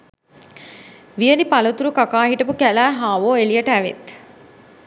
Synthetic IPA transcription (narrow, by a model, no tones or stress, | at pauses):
ʋijənipalɐt̪uɾukakaːɦiʈɐpukælæːɦaːʋoːelijɐʈæʋḛt̪